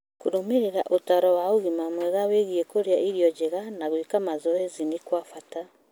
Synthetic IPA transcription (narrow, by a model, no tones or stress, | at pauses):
kuɾomeɾeɾaʔotaɾɔwaoɣimamwɛɣaweɣiekoɾjaʔiɾjɔd͡ʒeɣanaɣwikamazɔɛzinikwafata